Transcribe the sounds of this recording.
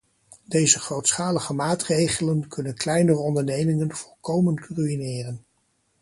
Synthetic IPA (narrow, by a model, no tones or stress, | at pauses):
dejzəχrowtsχaːləχəmaːtrejχələnkʰɵnənklɛjnərəɔndəɹnejmɪŋənv̥ɔlˠkowmənkryinɪːrən